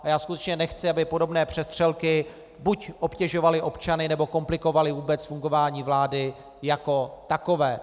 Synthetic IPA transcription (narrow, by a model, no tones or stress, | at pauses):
ʔajaːskut̪ɛt͡ʃɲɛnɛxt͡sɪabɪpo̞do̞bnɛːpr̝̥ɛst̪r̝̥ɛlkɪ | bucʔopcɛʒo̞valɪʔo̞pt͡ʃanɪnɛbo̞ko̞mplɪko̞valɪvuːbɛt͡sfuŋɡo̞vaːɲiːvlaːdɪ | jako̞t̪ako̞vɛː